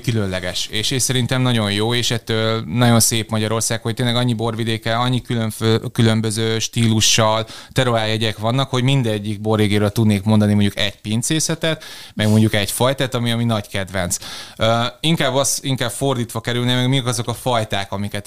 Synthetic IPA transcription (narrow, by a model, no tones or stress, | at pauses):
kylønlɛɡɛʃeːʃesɛɾint̪ɛmnɒɟo̞jjoːeːʃɛt̪ːøːlnɒɟo̞nseːpmɒɟɒɾo̞rsaːkhoc̚t̪eːnlɛɡɒɲːibo̞rʋid̪eːkɛlɒɲːikylønføkylø̞mbøzøːʃt̪iːluʃːɒlt̪ɛɾoɾaːjɛɟɛkʋɒnːɒkho̞ɟmind̪ɛɟːiɡ̚bo̞rːeːɡeːɾøːlt̪ud̪neːkmo̞nd̪ɒnimo̞ɲɟukɛɟpint̪seːsɛt̪ɛt̪mɛɡmo̞ɲɟukɛɟfɒjt̪at̪ɒmiɒminɒɟkɛd̪ʋɛnt̪søːiŋkaːbːɒst̪iŋkaːbfo̞rd̪iːt̪ʋɒkɛɾylnemɛɡmikɒzo̞kɒfɒjt̪aːkɒmikɛt̪